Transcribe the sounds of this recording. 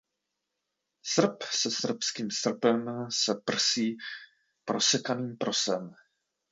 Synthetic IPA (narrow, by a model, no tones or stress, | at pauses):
sr̩psɛsr̩pskiːmsr̩pɛmsɛpr̩siː | pɾosɛkaniːmpɾo̞sɛm